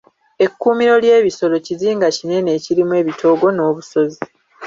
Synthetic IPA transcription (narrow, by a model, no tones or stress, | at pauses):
e̞kːuːmiɾo̞lje̞ːβiso̞lo̞ciziːŋɡacine̞ne̞ːciɾimwe̞ːβitʰo̞ːɡo̞no̞ːβuso̞zi